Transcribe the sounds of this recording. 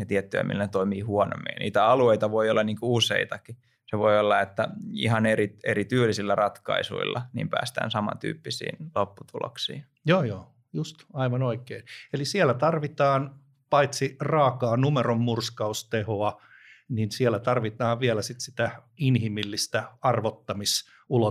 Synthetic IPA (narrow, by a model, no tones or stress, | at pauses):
jɑt̪iɛt̪ːyæ̰mḭlːænet̪oimiːhuono̰mːˑḭɑnḭːt̪æɑlueit̪ɑʋoiolːɑniːŋkuusḛit̪ɑki | seʋoiolːɑet̪ːæḭhɑneɾieɾit̪yːlːisilːærɑt̪kɑ̰isṵḭlːɑ̰nḭːmpæ̰ːst̪æ̰ːnsɑmɑ̰t̪y̰ːpːisḭːnlopːut̪ulo̰ksḭːn | joːjoː | just̪ɑiʋɑnoikeːnelisiælːæt̪ɑrʋit̪ɑːn | pɑit̪sirɑːkɑːnumeromːurskɑust̪ehoɑ | ninsielæt̪ɑrʋit̪ɑːʋʋieælæsit̪sit̪æinhimilːist̪æɑrʋot̪ːɑmis | ulo